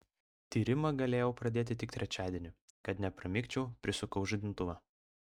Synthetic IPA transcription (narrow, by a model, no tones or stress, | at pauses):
t̪ʲiːɾʲɪmɐɡɐlʲeːjɛʊpɾɐd̪ʲeːt̪ʲɪt̪ʲɪkt̪ʲɾʲɛt͡ʃʲæːd̪ʲiːnʲʊ | kɐt̪nʲɛpɾɐmʲɪkʲt͡ʃʲɛʊpʲɾʲɪsʊkɐʊʒʊd̪ʲɪnt̪ʊʋɐ